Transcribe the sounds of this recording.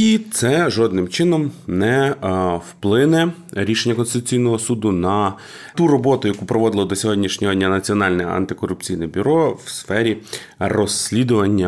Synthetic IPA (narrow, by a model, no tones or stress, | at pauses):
it̪sɛʒɔd̪nɪmt͡ʃɪnɔmnɛ | wplˠɪnɛ | ɾʲiʃenʲːɐkɔnsɪt̪ʊ̥t͡sʲijnɔɦɔsud̪ʊnɐ | t̪urɔbɔt̪ʊjɐkupɾɔʋɔd̪ɪlˠɔd̪ɔsʲɔɦɔdʲnʲiʃnʲɔɦɔdʲnʲːɐnɐt͡sʲiɔnɑlʲnɛɐ̰nt̪ɪkɔrʊp̚t͡sʲijnɛbʲyɾɔwsfɛɾʲi | rɔslʲid̪ʊʋɐnʲːɐ